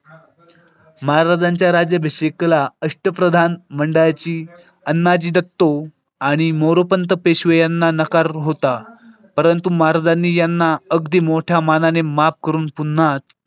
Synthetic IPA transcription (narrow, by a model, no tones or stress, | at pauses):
məɦaɾad͡zaɲt͡ɕjaɾad͡ʑjəbʱeseklaəʂʈəpɾəd̪ʱanməɳɖəɭjat͡ɕiː | ənːad͡ʑiːd̪ət̪ːo | aɽ̃imoɾopənt̪əpeɕʋejanːanəkaɾɦot̪a | pəɾənt̪umaɦaɾad͡zanːiːjanːaəɡd̪ʱiːmoʈʰjamananemap̚kəɾuːnpun̤ːat̪̚